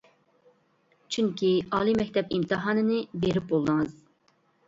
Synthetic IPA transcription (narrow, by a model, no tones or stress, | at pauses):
t͡ʃʰyŋkʲiɑːlˠimɛkʲt̪ʰɛpimt̪ʰɨɦɑːnɨnɨbeɾɪp̚bolˠd̪ɨŋɨz̥